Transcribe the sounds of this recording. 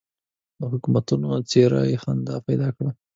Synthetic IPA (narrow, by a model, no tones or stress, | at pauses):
d̪əhʊkumat̪unot͡seɾa̰jxand̪ɑpajd̪ɑkɽa